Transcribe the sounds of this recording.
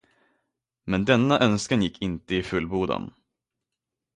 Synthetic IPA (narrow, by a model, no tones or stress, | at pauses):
mɛnd̪ɛnːaʔœnskanjɪkʰːɪnt̪əɪfɵlːbuːd̪ə̰n